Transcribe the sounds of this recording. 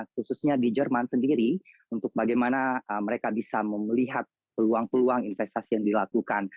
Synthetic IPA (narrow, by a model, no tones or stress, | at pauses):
xususɲadid͡ʒərmansəndiɾi | unt̪ʊk̚baɡajmanaəməɾekabisaməməliɦat̪̚ | pəluaŋpəluaŋinfɛst̪asijaŋdilakukan